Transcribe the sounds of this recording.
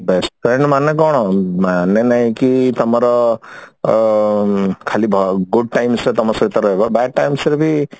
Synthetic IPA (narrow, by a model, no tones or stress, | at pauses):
besʈpɾeɳɖmanːekɔɽ̃ɔmanːenaɦĩkit̪ɔmaɾɔ | kʰalibʱɡuɖ̚ʈajmset̪ɔmasɔɾit̪aɾɔɦebbaɖ̚ʈajmseɾbʱi